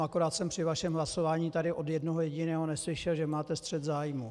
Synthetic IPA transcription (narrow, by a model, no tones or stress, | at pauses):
ʔako̞ɾaːt̪sɛmpr̥ɪvaʃɛmɦlaso̞vaːɲiːt̪adɪʔo̞djɛdnoɦojɛɟɪnɛːɦo̞nɛslɪʃɛlʒɛmaːt̪ɛst̪r̝̥ɛt̪zaːjmu